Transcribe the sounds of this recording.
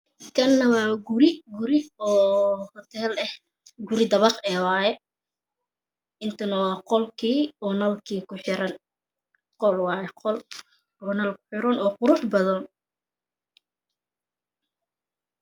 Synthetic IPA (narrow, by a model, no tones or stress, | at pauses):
kʰɐnːɐwɑːɡʊɾɪɡʊɾɪɔːhɔt̪ʰɛːlɛh | ɡʊɾɪd̪ɐβɑqɛːwɑːjɛ | ɪnt̪ʰɐnɐwɑːqɔlkʰiːɔːnɐlkʰiːkʰʊħɪɾɐn | qɔlwɑːjɛqɔl | ɔːnɐlkʰʊ̥ħɪɾɐnɔːqʊɾʊħbɐðɔn